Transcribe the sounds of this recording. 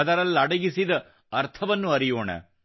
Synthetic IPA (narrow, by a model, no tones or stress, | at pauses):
ɐd̪ɐɾɐlːɐɽɐɡisid̪ɐ | ɐɾt̪ʰɐʋɐnːuɐɾijoːɳɐ̰